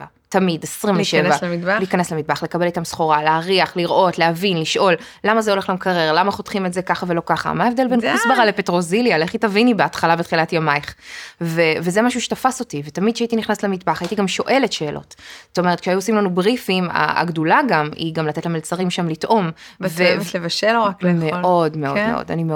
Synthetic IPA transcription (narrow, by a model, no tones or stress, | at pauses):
a | tamidesʁimveʃevvalikaneslemit̪̚baχlekabe̞litamsχoʁaleaʁiaχliʁʔo̞tlehavinliʃʔo̞lː | amazeo̞le̞χlamkʰaʁeʁlamaχo̞tχimetzekaχavelo̞kaχa̰maːevd̪e̞lbenkisbaʁalepetʁo̞ziljaleχitavinibeatχalabet̪χilatjamajχvevezemaʃuʃe̥tafaso̞tivet̪amidʃeait̪̬iniχnasetlemitbaχajit̪iɡamʃo̞ʔe̞le̞tʃe̞ːlʔo̞̰tzot̪ome̞t̪kʃeajuosimlanubʁifima̰a̰ɡdulaɡamḭɡamlat̪etlamelt͡saʁimʃamlitʔo̞mvelevaʃelakmeʔo̞dmeodmeʔo̰da̰nime